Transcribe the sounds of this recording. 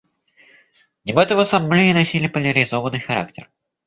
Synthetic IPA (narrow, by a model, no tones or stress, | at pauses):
nʲɪbɛt̪əvəsɐmːlʲiɪnɐsʲilʲɪpəlʲəɾʲɪzo̞vənːɨjxɐɾa̰k̚tʲɪ̰r